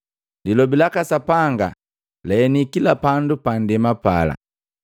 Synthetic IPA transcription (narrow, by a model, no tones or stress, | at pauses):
lilɔbilakasapaŋɡa | lɛːnikilapandupandɛmapala̰